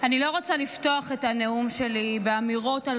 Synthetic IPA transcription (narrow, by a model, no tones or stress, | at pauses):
anilo̞ʁot͡salifto̞aχe̞taneumʃe̞libe̞amiʁo̞tal